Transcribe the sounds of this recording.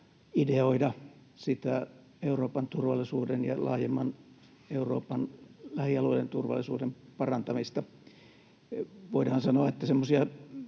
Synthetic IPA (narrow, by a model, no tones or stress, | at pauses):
ideoidɑ | sit̪æ | euroːpɑnt̪urʋɑlˑisuːdenjɑ̰lɑ̰ːjemːɑn | euro̰ːpɑnlæhiɑluelent̪urʋɑ̰lːˑisuːdempɑrɑnt̪ɑmist̪ɑ | ʋoidɑːnsɑnoɑet̪ːæsemːosiɑ